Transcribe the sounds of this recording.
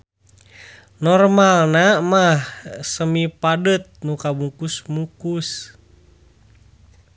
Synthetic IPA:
nɔrmalnamahsəmipadət̪̚nukabukusmukus

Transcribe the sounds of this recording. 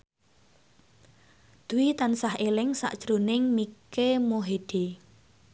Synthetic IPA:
d̪̥uwit̪ansaɦelɪŋsa̰ʔʒ̥ɾonɪŋmikemoɦeɖ̪̥e

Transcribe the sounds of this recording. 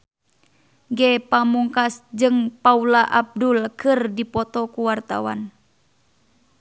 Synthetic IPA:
ɡɛpamuŋkasd͡ʒɨŋpaulaʔab̚dulkɨrdipɔt̪ɔkuwart̪a̰wa̰n

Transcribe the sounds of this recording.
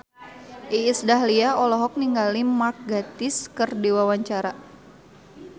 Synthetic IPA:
ʔiːsdaɦliaɔlɔɦɔk̚niŋɡalimak̚ɡat̪ɪskərdewawaɲt͡ʃaɾa

